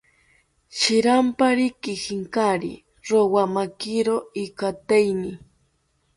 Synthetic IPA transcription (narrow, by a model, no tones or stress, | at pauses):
ʃɪɾampaɾɪkɪxɪŋkaɾḭ | ɾowamakɪɾoɪkat̪ajni